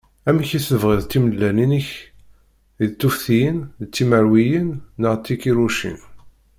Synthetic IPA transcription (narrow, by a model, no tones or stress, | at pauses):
æmiçiθəvʁiðt̪ːiməlːæninəç | ðt̪ːufθijənðt͡sːiməɾwijənːəʁt̪ːikiɾuʃḭn